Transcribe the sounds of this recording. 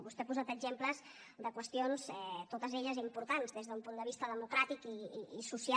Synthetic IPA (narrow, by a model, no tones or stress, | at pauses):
βust̪eapuzat̪əɡʒempləz | d̪əkwəst̪ionzɛt̪ot̪əzeʎəzimpuɾt̪anzðezðəumpund̪əβ̞ist̪əðəmukɾat̪ikiːsusia